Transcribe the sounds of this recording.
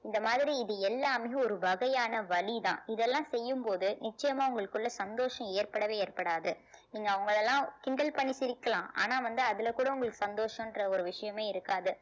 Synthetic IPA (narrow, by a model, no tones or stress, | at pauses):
ɪnd̪ɐmaːðɪɾiɪðɯɛlːaːmejʊ̃ɔɾɯbɐɣɐjaːnɐʋɐɭiðã̰ːɪðɛlːãːsɛjːɯmpoːðɯnɪt͡ʃːɐjɐmaːʊŋɡɐɭɯkːɯɭːɐsɐnd̪oːʂɐ̃eːɾpɐɽɐʋeːeːɾpɐɽaːðɯ | niːŋɡɐːʋɐŋɡɐɭɛlːãːkɪɳɖɐlpɐɳːisɪɾɪkːɐlãːa̰ːnaːʋɐnd̪ɯɐðɯlɐkːuːɽɐʊŋɡɐɭɯkːɯ̥sɐnd̪oːʂɐ̃mɪndrɐɔɾɯʋɪʂɐjɐmeːɪɾɯkːaːðɯ